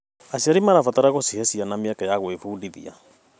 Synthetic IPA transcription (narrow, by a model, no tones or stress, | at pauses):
aɕiaɾimaɾafataɾaɣosihɛsianameakajaɣwefuːdiðḭa̰